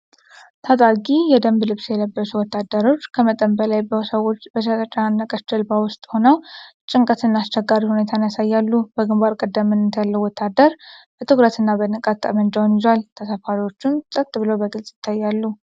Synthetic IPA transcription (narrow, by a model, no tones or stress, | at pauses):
t̪ʰat̪ʼaɡijɛd̪əmblɨβsjɛləbːəsuwɔt̪ːad̪ːəɾo̞t͡ʃːkʰəmət̪ʼəmbəlajbəsəwo̞t͡ʃːbəsət̪ʼət͡ʃʼanːəkʼət͡ʃɨlbawʊst̪ʼho̞nəwt͡ʃʼɪŋkʼət̪ɨnːast͡ʃːɛɡːaɾihunet̪ʰanjasajːalːub̥əɡɨmbaɾkʼəd̪ːəmːɨnɨt̪ʰjalːəwɔt̪ʰːad̪əɾb̥ət̪ʰɨɡɾət̪ɨnːabənɨkʼat̪ʼːə̰mənd͡ʒawnjɪzalt̪ʰəsəfaɾiwo̞t͡ʃːumsʼət̪ʼːbɨləwbəɡɨlsʼjɪ̥t̪ʰːajːalːu